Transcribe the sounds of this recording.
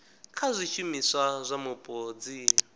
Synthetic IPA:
kʰazʷiʃumisʷazʷamupʼoːd͡zi

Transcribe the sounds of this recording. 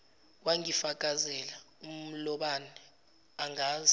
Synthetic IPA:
k̬wʔaŋifak̬ʼazɛla | um̩lɔɓanɛ | aŋaːz

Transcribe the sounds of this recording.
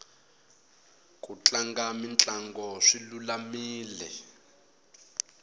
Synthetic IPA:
kʼut͡ɬʼaŋɡamint͡ɬʼaŋɡɔʂilulamiːlɛ̰

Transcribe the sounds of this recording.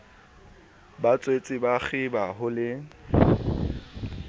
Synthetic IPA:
bat͡sʼwet͡sʼɪbak͡xɪbaɦʊlɪ

